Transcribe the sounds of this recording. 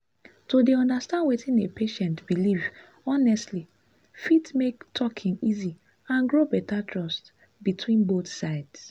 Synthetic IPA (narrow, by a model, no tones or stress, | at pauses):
todeɔ̃ndastãndwetĩnepʰeʃɛ̃ntb̥iliv | ɔnɛstli | fitmektʰɔkʰĩŋizi | ãnɡɹobɛtatʰɹɔst | bitʰwĩnboθsaɪds